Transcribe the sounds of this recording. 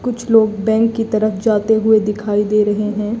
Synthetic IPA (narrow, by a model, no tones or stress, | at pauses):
kʊt͡ʃʰloːɡbɛ̃ːŋkːit̪ɐɾəfd͡ʒaːt̪eɦʊed̪ɪkʰaːid̪eːɾɐɦeɦɛ̃